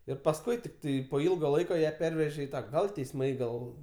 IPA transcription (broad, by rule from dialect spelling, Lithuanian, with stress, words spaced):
ɪr pɐsˈkʊɪ tʲɪkˈtɐɪ poː ˈɪlˠɡɐ ˈlˠɐɪkɐ jæː ˈpʲɛrʲʋʲɛʒʲeː ɪ ˈtɑː ˈɡɐlˠ tʲɛɪsˈmɐɪ ˈɡɐlˠ